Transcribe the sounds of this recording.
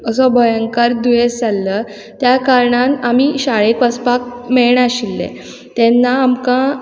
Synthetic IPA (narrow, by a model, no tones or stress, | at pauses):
əsɔbʱəjəŋkaɾd̪ujesd͡zʱalːə | t̪jakaɾɳãnamiːɕaɭekʋəspak̚meɭɳaɕilːḛ | t̪ɛnːaːmkã